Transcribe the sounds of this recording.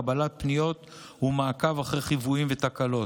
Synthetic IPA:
abalat̚pnijo̞t | humaːkavaχʁejχivuimvet̪akalo̞

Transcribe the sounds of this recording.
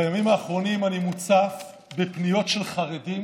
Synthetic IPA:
jamimaːχʁo̞nimanimut͡saf | bepnijo̞tʃe̞lχaʁedim

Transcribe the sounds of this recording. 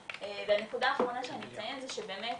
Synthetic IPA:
eveane̞kud̪aːχʁo̞naʃeanimet͡sajenzɛʃebe̞ːmet

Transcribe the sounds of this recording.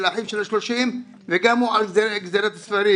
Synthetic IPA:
laħimʃelaʃloʃim | veɡamhuʕalzɡzeɾat̪hasfaɾi

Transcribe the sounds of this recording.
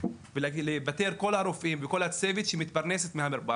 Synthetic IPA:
vlebat̪eɾko̞laɾofimveko̞lat͡sevet̪ʃemit̪paʁneset̪mehamiɾba

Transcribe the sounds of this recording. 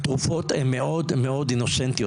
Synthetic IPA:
t̪ʁufot̪hemːeʔod̪meo̞d̪inoʃent̪ijo

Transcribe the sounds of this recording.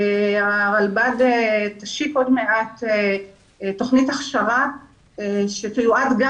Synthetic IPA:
aʁalbadetaʃiko̞dmeʔate | to̞χnitaχʃaʁa | ʃetijuadɡa

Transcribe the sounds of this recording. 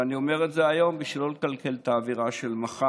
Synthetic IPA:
anio̞me̞ʁetze̞ajo̞mbiʃlolkalkelt̪aːviʁaʃe̞lmaχa

